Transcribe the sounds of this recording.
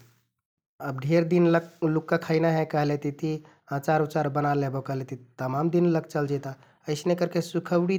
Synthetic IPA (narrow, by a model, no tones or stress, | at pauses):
əbɖʱeɾd̪inllukːakʰəjnaɦɛ̃kəɦlet̪it̪i | ãt͡ʃaɾut͡ʃaɾbənaleɦbɔkəɦlet̪it̪əmamd̪inləɡ̚t͡ʃəld͡ʒɛt̪a | əɪsnekəɾkesukʰəwɽi